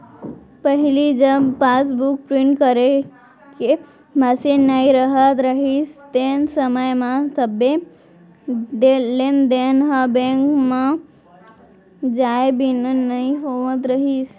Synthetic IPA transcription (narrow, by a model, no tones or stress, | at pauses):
pəɦilid͡ʒəbpas̬buk̚pɾiɳʈkəɾe | ke | mãsenaiɾəɦət̪ɾəɦist̪ensəməjmãsəbe | d̪elend̪enɦəbẽŋkmã | d͡ʒaebʱinənəiɦoʋət̪ɾəɦis